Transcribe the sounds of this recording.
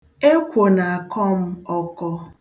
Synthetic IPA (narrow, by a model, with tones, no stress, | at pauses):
e˦kʷo˨na˨a˨kɔ˦m̩˦ɔ˦kɔ˦